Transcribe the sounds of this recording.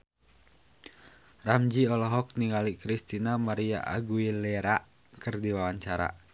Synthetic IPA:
ramd͡ʒiɔlɔɦɔk̚niŋalikɾist̪inamaɾia̰ʔaɡuilɛɾaʔ | kɨrdiwawaɲt͡ʃaɾa̰

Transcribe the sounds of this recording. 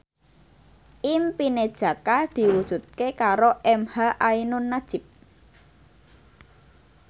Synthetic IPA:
ʔimpined̥ʒ̥ä̤kad̪̥i̤wud̥ʒ̥ṳt̪̚kekaɾoʔɛmhaʔainʊnːad̥ʒ̥ɪ̤p̚

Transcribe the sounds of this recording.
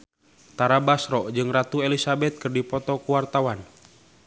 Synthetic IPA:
t̪aɾabasɾɔʔd͡ʒɨŋrat̪uelisabɛt̪̚kɨrdipɔt̪ɔkuwart̪awan

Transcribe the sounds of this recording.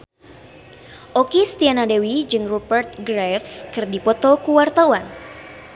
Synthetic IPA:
ʔɔkist̪ianadewid͡ʒɨŋrupərt̪̚ɡɾɛfskɨrdipɔt̪ɔkuwart̪awan

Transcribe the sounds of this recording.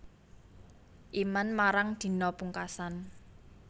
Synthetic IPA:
ʔimanmaɾaŋd̪̥i̤nɔpuŋkasan

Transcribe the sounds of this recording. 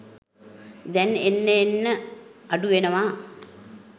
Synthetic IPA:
d̪ɛnenːeenːəɐɖuʋenɐʋaː

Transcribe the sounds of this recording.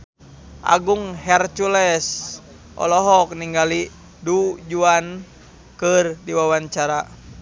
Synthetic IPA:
ʔa̰ɡuŋɦɛrt͡ʃulɛs | ʔɔ̰lɔɦɔk̚niŋɡali | dud͡ʒuan | kɨrdiwawaɲt͡ʃaɾa

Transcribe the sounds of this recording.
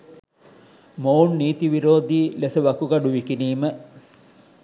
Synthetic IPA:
mownːiːt̪iʋiɾoːd̪iːlesəʋɐkuɡɐɖuʋikiniːmə

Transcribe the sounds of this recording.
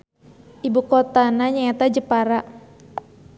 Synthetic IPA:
ʔibukɔt̪anaɲaɛt̪ad͡ʒəpaɾa

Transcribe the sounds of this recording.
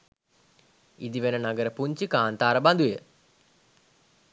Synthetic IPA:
id̪iʋenənaɡəɾəpuɲt͡ʃikaːnt̪aːɾəband̪ujə

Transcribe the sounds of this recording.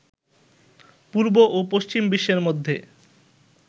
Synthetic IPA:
puɾboʔopoʃt͡ɕimbiʃːeɾmod̪ʱːe

